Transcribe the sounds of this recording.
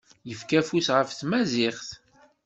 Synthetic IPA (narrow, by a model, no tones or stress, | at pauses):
jəfkæfusʁəfθmæzɪχθ